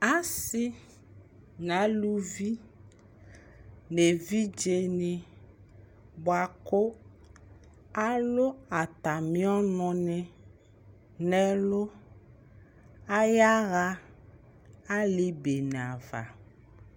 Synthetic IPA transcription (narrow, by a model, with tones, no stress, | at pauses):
a˦si˦ | nã˨˦lu˦vi˦ | ne˨vi˦d͡ʒe˨nẽ˨ | bo˨a˨ko˦ | a˦lo˦a˨t̪a˨mĩ˦ɔ˦nɔ̃˨nɛ̃˨ | nɛ̃˦lo˦ | a˦ja˦ɣa˦ | a˦le˨be˨n˨a˨va̰˨